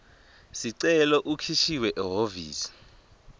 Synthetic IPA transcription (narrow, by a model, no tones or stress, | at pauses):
siǀɛlɔʔukʰiʃiwɛʔɛɦovḭːsi̥